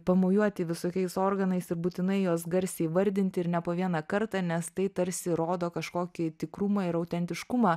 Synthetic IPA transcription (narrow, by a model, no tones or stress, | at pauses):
pɐmoːjuɔt̪ʲɪʋʲɪsoːkʲɛɪsoːɾɡɐnɐɪsɪɾbuːt̪ʲɪnɐɪjuɔsɡɐɾʲsʲɛʋɐɾʲd̪ʲɪnʲt̪ʲɪɪɾnʲɛpoːʋʲiɛnɑːkɐɾt̪ɑːnʲɛst̪ɐɪt̪ɐɾʲsʲɪɾoːd̪oːkɐʃkoːkʲɪt̪ʲɪkɾumɑɪɾɐʊt̪ʲɛnʲt̪ʲɪʃkʊmɑː